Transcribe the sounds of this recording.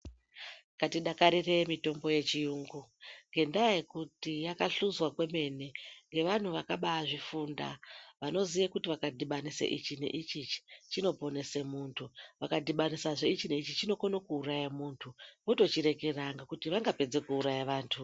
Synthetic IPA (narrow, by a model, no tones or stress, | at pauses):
katiɗakaɾire̞mito̞mbo̞je̞t͡ʃijuːŋɡuŋɡe̞ndajekutijakaɬuzwakwe̞me̞neŋɡe̞ʋan̤uʋakaɓaʐifuːnda̰ʋano̞zijakutiʋakadʱiɓanisḛʔit͡ʃinḛʔit͡ʃit͡ʃt͡ʃino̞po̞ne̞se̞muːntʰuʋakadʱiɓanisaʐeit͡ʃine̞it͡ʃit͡ʃino̞konokuːrajamuːntʰuʋoto̞t͡ʃiɾe̞keraŋɡakutiʋaŋɡape̞d͡ze̞kuːɾajaʋaːntʰu